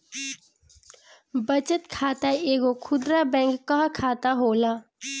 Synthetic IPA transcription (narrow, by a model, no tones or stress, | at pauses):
bət͡ʃət̪kʰaːt̪aeːɡokʰʊd̪ɾabɛ̃ːŋkːɐɦkʰaːt̪aɦoːlaː